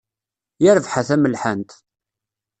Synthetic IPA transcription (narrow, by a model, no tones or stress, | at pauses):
jəɾəvħaθæməlħənt̪